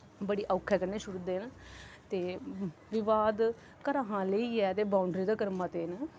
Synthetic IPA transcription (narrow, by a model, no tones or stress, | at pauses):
bəɽiːʔəːkʰːɛːkəɾneːʃʊɽd̪eːnt̪eːʋɪʋaːd̪ | kəɾaːɦãːləiːɛːt̪eːbaːʊɳɖɾiːd̪aːkəɾmaːt̪eːn